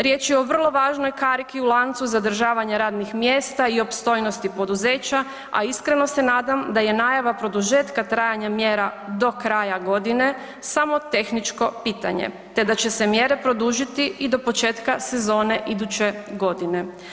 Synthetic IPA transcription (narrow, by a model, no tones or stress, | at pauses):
ɾjet͡ʃjɛo̞ʋr̩lˠo̞ʋaːʒno̞jkaɾikiulˠant̪suzad̪r̩ʒaːʋaɲaɾaːd̪nixmjeːst̪aiopst̪o̞jnost̪ipo̞d̪uze̞ːt͡ɕa | a̰iskɾe̞no̞se̞naːd̪amd̪aje̞naːjaʋapɾo̞d̪uʒe̞ːt̪kat̪ɾaːjaɲamjeːɾad̪o̞kɾaːjaɡo̞d̪ine̞ | samo̞t̪e̞xnit͡ʃko̞piːt̪a̰ɲḛ | t̪e̞d̪at͡ɕe̞se̞mje̞ɾe̞pɾo̞d̪uʒit̪iid̪o̞po̞t͡ʃeːt̪kase̞zo̞ːne̞ʔid̪ut͡ɕe̞ɡo̞d̪ine̞